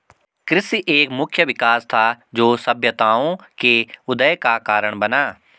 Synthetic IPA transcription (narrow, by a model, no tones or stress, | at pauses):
kɾɪsiʔeːkmʊkʰjəʋɪkaːst̪ʰad͡ʒoːsəbʱjət̪aːõkeʊd̪əjkakaːɾəɽ̃bɐnaː